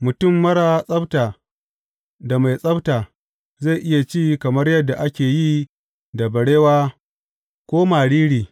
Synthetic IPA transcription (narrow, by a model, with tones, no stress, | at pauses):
mʊ˨tʊ˦˨mːɐ˦ɽaː˨sʼɐ˦btaː˨ | da˨ma˨jsʼɐ˦btaː˨ | za˦˨ʔɪ˦ja˨t͡ʃiː˦kɐ˨mɐ˦rjɐ˦dːa˨ʔa˦kʲeː˨ji˦ | da˨bɐ˨ɽeː˦waː˦ | kʷoː˦maː˨ɽiː˦ɽiː˨